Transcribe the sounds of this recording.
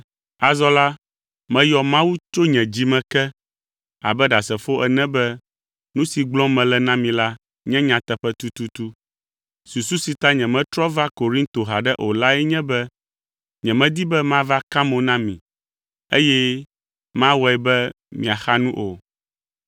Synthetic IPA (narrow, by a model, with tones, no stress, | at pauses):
a˨zɔ˦la˦ | mɛ̃˦jɔ˨mã˦wu˦t͡ʃo˦ɲɛ̃˨d͡ʑi˦mɛ̃˨kɛ˦ | a̰˨bɛ˦ɖa˨sɛ˨fo˦ʔɛ˨nɛ̃˦bɛ˦ | nũ˦si˨ɡ͡blɔ̃˦mɛ̃˨lɛ˨nã˦mĩ˨la˦ | ɲɛ̃˦ɲã˨t̪ɛ˨ɸɛ˦t̪u˦t̪u˦t̪u˦ | su˨su˦si˨t̪a˦ɲɛ̃˨mɛ̃˦t̪ɾɔ˦va˦ko˨ɾĩ˦nt̪o˨ɦa˨ɖɛ˦ʔo˨la˦ɛ˦ɲɛ̃˦bɛ˦ | ɲɛ̃˨mɛ̃˦d̪i˦bɛ˦mã˦va˦ka˦mõ˨nã˦mĩ˨ | ḛ˦jɛ˦ | mã˦wɔ˦ɛ˨bɛ˦ | mḭ̃˨a˨xa˦nũ˦ʔo˨